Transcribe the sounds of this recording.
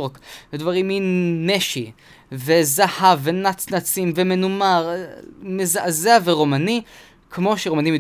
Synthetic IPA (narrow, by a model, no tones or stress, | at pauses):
kvedvaʁimineʃi | vezahavːenat͡snat͡simvemenumaʁmezaʔazeaveʁomani | kmo̞ʃeʁomanimid